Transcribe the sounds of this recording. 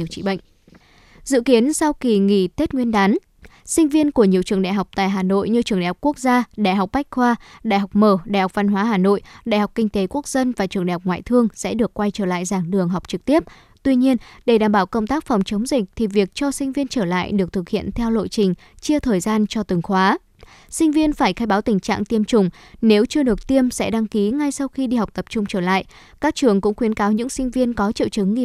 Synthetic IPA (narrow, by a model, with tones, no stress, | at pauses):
əwt͡ɕḭ˧˨ɓə̰˧˨ŋ | zɨ̰˧˨ki˨˦ənsa˧wki˨˩ŋḭ˧˩t̪e˦˥t̚ŋwi˧ənɗaː˨˦n | sï˧ŋ̟vi˧ənku˧˩əɲi˨˩əwt͡ɕɨ˧˩əŋɗa̰ː˧˨jɦa˨˩wk͡p̚t̪a̰ː˧˨jɦaː˨˩no̰˧˨jɲɨ˧t͡ɕɨ˧˩əŋɗa̰˨˩hk͡p̚ku˦˥k̚zaː˧ɗa̰ː˧˨jɦa˨˩k͡p̚ɓa˦˥k̟̚xwaː˧ɗa̰ː˧˨jɦa˨˩k͡p̚məː˨˩ɗaː˧˨jha˨˩k͡p̚va˧nɦwaː˨˦ɦaː˨˩no̰˧˨jɗa̰ː˧˨jha˨˩wk͡p̚kï˧ŋ̟t̪e˨˦ku˦˥ək̚z̥ə˧nvaː˨˩t͡ɕɨ˨˩ŋɗa̰˨˩hk͡p̚ŋwa̰ː˧˨jt̪ʰɨ˧əŋsɛ̰˧˥ɗɨ˨˩əkːwa˧jt͡ɕəː˧˩la̰ː˧˨jzaː˧˩ŋɗɨ˨˩əŋɦa˨˩wk͡p̚t͡ɕɨ˨˩k̚t̪i˦˥əp̚ | t̪wi˧ɲi˧ənɗe˧˩ɗaː˧˩mɓaː˧˩wkə˧wŋ͡mt̪aː˦˥k̚fa˨˩wŋ͡mt͡ɕə˨˦ŋ͡mzï˨˩k̟̚t̪ʰi˨˩vi˨˩ək̚t͡ɕɔ˧sï˧ŋ̟vi˧ənt͡ɕəː˧˩la̰ː˧˨jɗɨ˨˩ək̚t̪ʰɨ˨˩k̚hḭ˧˨ənt̪ʰɛ˧wlo̰˧˨jt͡ɕï˨˩ŋ̟ | t͡ɕi˧ət̪ʰəː˨˩jzaː˧nt͡ɕɔ˧t̪ɨ˨˩ŋxwaː˨˦ | sï˧ŋ̟vi˧ənfaː˧˩jxaː˧jɓaː˨˦wt̪ï˨˩ŋ̟t͡ɕa̰ː˧˨ŋt̪i˧əmt͡ɕʊ˨˩ŋ͡mne˨˦wt͡ɕɨ˧əɗɨ˨˩ək̚t̪i˧əmsɛ̰˧˥ɗa˧ŋki˨˦ŋa˧jsa˧wxi˧ɗi˧ha˨˩wk͡p̚t̪ə˨˩p̚t͡ɕʊ˧ŋ͡mt͡ɕəː˧˩la̰ː˧˨j | kaː˦˥k̚t͡ɕɨ˧˩əŋkʊ̰˧˥ŋ͡mxwi˨˦ənkaː˨˦wɲɨ̰˧˥ŋsï˧ŋ̟vi˧ənkɔ˨˦t͡ɕḭ˧˨wt͡ɕɨ˨˦ŋ˧